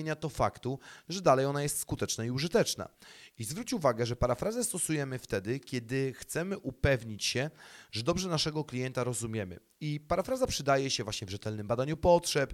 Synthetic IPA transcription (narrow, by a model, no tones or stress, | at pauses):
ɲat̪ɔfakt̪uʐɛd̪alɛjɔnajɛst̪skut̪ɛt͡ʂnaiuʐɘt̪ɛt͡ʂna̰izvɾut͡ɕuvaɡɛʐɛpaɾafɾazɛst̪ɔsujɛmɘft̪ɛd̪ɘkʲɛd̪ɘxt̪sɛmɘʔupɛvɲit͡ɕɕɛʐɛd̪ɔbʐɛnaʂɛɡɔklʲijɛnt̪aɾɔzumʲjɛmɘ̰ | ipaɾafɾazapʂɘd̪ajɛɕɛvwaɕɲɛvʐɛt̪ɛlnɘmbad̪aɲupɔtʂɛp